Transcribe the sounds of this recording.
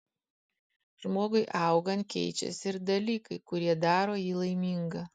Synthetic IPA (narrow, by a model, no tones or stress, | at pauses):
ʒmoːɡʊɪʔɑˑʊɡɐnt̪̚kʲɛ̰ɪt͡ʃʲɛ̰sʲɪɾd̪ɐlʲiːkɐɪkʊɾʲiɛd̪ɑːɾoːjiːlˠɐɪmʲiˑŋɡɐ